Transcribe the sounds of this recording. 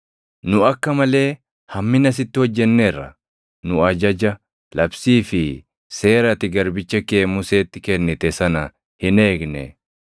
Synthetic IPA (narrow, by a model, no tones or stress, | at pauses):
nʊɐkːɐmɐle̞ː | hɐmːɪnɐs̬ɪt̪ːɪwɔd͡ʒːɛnːeːrːɐ̰ | nʊɐd͡ʒɐd͡ʒɐ | lɐbsiːfɪ | se̞ːɾɐt̪ɪɡɐɾbɪt͡ʃːɐke̞ːmʊse̞ːt̪ːɪkɛnːɪt̪ɛsɐnɐ | hɪne̞ːɡnɛ̰